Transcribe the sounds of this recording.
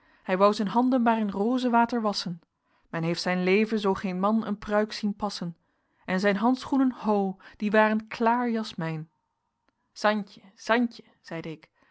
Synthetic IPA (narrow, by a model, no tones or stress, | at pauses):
hɛjʋɑwzɛnɦɑndənmaːrɪnroːzəʋaːtəɹʋɑsən | mɛnɦejftsɛjnlejvənzowχejnmɑnə̰nprœɥksinpɑsən | ʔɛnzɛjnɦɑntsχunənhowd̥iʋaːrənklaːɹjɑsmɛjn | z̥ɑncəz̥ɑncə | z̥ɛjdəɪk